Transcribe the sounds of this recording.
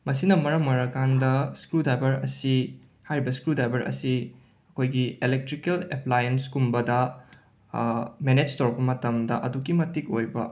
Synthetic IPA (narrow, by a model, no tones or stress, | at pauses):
mɐs̬inɐmɐɾɐmɐɾɐkandɐskɾudajbɐɾɐ̰si | hajɾibɐskɾudajbɐɾɐ̰si | ɐkʰojɡielek̚tɾikeleplajenskumbɐdɐ | mened͡ʒtowɾɐk̚pɐmɐtɐmdɐʔɐdukːimɐtik̚ojbɐ